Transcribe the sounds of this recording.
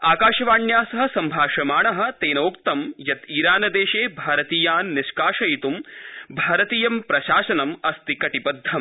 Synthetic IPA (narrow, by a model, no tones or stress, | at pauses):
aːkaːʃɐʋaːɳjaːsɐɦɐ̆sɐmbʱaːʃɐmaːɳɐɦɐ̆t̪eːnoːkt̪ɐmjɐt̪iːɾaːnɐd̪eːʃeːbʱaːɾɐt̪iːjaːnːɪʃkaːʂɐjit̪umbʱaːɾɐt̪iːjɐmpɾɐʃaːʃɐnɐmɐst̪ikɐʈipɐd̪ʱːɐm